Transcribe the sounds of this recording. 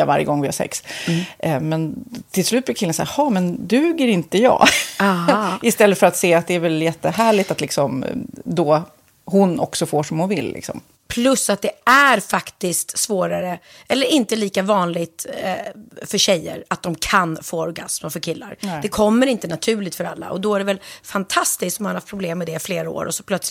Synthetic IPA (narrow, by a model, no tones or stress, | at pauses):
ava̰ɾjə̰ɡɔŋvɪhaʂɛ̰ks | mɛnt̪ʰɪlslʉ̟t̪̚blɪɾkʰɪlːənsæːhɑːmɛnd̪ʉ̟ːɡəɾɪnt̪əjɑ̰ː | ɪst̪ɛlːət̪fœɾat̪seːat̪̚d̪ɛæɾvɛljɛt̪ːəɦæːɭɪt̪at̪lɪksɔmd̪ɔ | hʊnɔ̰ksɔfoːʂɔmhʊnvɪlːɪ̰ksɔ̰m | pʰlɵsːat̪̚d̪ɛæɾfakt̪ɪst̪svoːɾaɾə | ɛlːəɾɪnt̪əliːkavɑːnlɪɡt̪ | fœɾɕɛjːə̰ɾat̪̚d̪ɔmkʰanfoːɔɾɡa̰sməfœɾkʰɪlːa̰ɾd̪ɛkʰɔmːəɾɪnt̪ənat̪ʰʉ̟ːɭɪɡ̚t̪fœɾalːa̰ʔɔd̪ɔæɖɛvɛlfant̪ʰast̪ɪskt̪ɔmhanhaft̪pʰɾʊbleːmːɛd̪ɛfleːɾao̰ːɾʔɔsɔ̥pʰlœt̪s